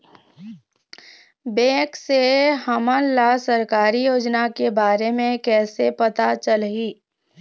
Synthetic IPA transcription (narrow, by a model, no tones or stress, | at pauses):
bẽːkseɦɐmənlasɐɾkaːɾijoːd͡ʒnakebaːɾemẽkɛːsepɐt̪at͡ʃəlɦiː